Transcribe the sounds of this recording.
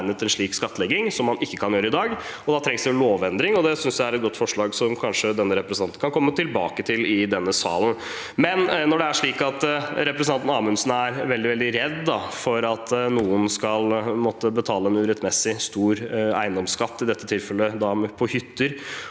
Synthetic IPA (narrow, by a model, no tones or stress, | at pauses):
nət̪ɛnʂɭiːkskɑt̪ːəlɛɡɪŋsɔmːɑnɪkːəkʰɑnjøːɾəɪd̪ɑːɡ | ɔd̪ɑːt̪ʰɾɛŋsd̪ɛɛnloːʋɛnd̪ɾɪŋɔd̪ɛsʏnsjææɾɛt̪̚ɡɔt̪ːfɔʂɭɑːɡsɔmkʰɑnʂəd̪ɛnːəɾɛpɾəsənɑnt̪ən̩kɑnkʰɔmːət̪ʰɪlbɑ̰ːkət̪ʰɪlɪd̪ɛnːəsɑ̰ːlən | mɛnnɔɖɛæʂɭiːkɑt̪ɾɛpɾɛsənɑnt̪nɑːmʉmsn̩æɾʋɛld̪ɪʋɛld̪ɪɾɛd̪ːɑfɔɾɑt̪nuːənskɑlmɔt̪ːəbət̪ʰɑːləɛnʉːɾɛt̪mɛsɪst̪uːɾæ̰ɪnd̪ɔmskɑt̪ːɪd̪ɛt̪ːət̪ʰɪlfɛlːəd̪ɑmɛpʰɔhʏt̪ːəɾ